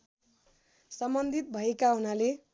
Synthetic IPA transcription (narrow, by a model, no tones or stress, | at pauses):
sʌmbʌnd̪ʱit̪̚bʱʌekaɦunale